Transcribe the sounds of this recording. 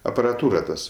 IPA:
ɐpɐrɐˈtuːrɐ ˈtɐs

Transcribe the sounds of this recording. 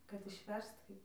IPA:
kɐt ɪʃʲˈʋʲɛrst ˈkɐɪp

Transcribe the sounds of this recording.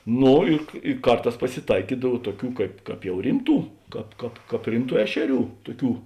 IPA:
ˈnoː ɪ ɪ ˈkɐrˌtɑːs pɐsʲɪˈtɐɪkʲiːdɐw ˈtuɔˌkʲuː ˈkɐɪp ˈkɑːp jɛʊ ˈrʲɪmˌtuː ˈkɑːp ˈkɑːp ˈkɑːp ˈrʲɪmˌtuː ˈæːʃʲɛˌrʲuː ˈtʊˌkʲuː

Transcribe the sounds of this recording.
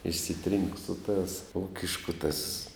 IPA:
ɪʃʲsʲɪˈtʲrʲiːŋk sʊ tɑːs ˈuːkʲɪʃkʊ tɐs

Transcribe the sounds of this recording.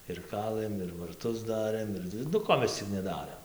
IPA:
ɪr ˈkɑːlˠɘm ɪr ʋɐrˈtʊs ˈdɑːrɘm ˈɪr nʊ ˈkoː mʲɛs ˈt͡sʲɪk nʲɛˈdɑːrʲeːm

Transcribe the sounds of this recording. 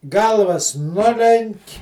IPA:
ˈɡɐlˠʋɐs ˈnʊlʲɛŋʲkʲ

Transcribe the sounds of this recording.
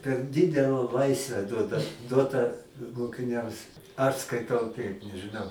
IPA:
pʲɛr ˈdʲɪdʲɛlˠɐ ˈlˠɐɪsʲʋʲɛ ˈduɔdɐ ˈduɔtɑː moːkʲɪˈnʲɛms ɐʃ skɐɪˈtɐʊ ˈtɐɪp nʲɛʒɨˈnɐʊ

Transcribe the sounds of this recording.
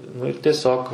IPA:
nʊ ɪr tʲiɛˈsʲoːk

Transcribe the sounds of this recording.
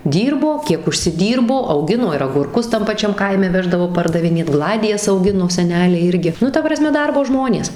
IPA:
ˈdʲiːrboː ˈkʲiɛk ʊʃʲsʲɪˈdʲiːrboː ɐʊˈɡʲɪnoː ɪr ɐɡʊrˈkʊs tɐm pɐˈt͡ʃʲɛm ˈkɐɪmʲɛ ˈʋʲæːʒdɐʋoː pɐrdɐʋʲɪˈnʲeːt ˈɡlˠɑːdʲɪjɛs ɐʊˈɡʲɪnoː sʲɛˈnʲæːlʲɛɪ ˈɪrʲɡʲɪ ˈnʊ tɐ prɐˈsʲmʲɛ ˈdɐrboː ˈʒmoːnʲeːs

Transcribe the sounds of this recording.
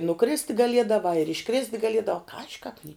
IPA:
nʊˈkrʲɪsʲtʲ ɡɐˈlʲiɛdɐʋɑː ɪr ɪʃˈkrʲɪsʲtʲ ɡɐˈlʲiɛdɐʋɑː ˈkɑːʒʲɪ kɑːp nʲɪ

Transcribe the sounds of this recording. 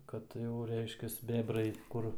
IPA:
ˈkɐt jɛʊ ˈrʲɛɪʃʲkʲɛs ˈbʲæːbrɐɪ ˈkʊr

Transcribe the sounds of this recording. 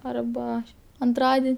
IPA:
ˈɐrbɐ ɐnˈtrɑːdʲɪnʲ

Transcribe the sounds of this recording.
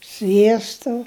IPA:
ˈsʲʋʲiɛstoː

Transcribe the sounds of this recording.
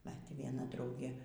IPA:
bʲɛt ʋʲiɛˈnɐ ˈdrɐʊɡʲeː

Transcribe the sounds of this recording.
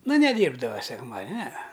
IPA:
ˈnʊ nʲɛˈdʲiːrbdɐʋɐ sʲɛkˈmɑːdʲɪnʲ nʲɛɛ

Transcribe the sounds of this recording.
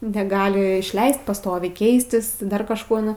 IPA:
nʲɛˈɡɑːlʲɪ ɪʃʲˈlʲɛɪst pɐˈstoːʋʲɛɪ ˈkʲɛɪsʲtʲɪs ˈdɐr kɐʃˈkoː ˈnʊ

